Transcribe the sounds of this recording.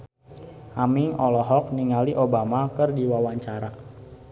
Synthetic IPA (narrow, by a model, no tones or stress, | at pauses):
ʔamiŋɔlɔɦɔk̚niŋaliʔobamakərdiwawaɲt͡ʃaɾa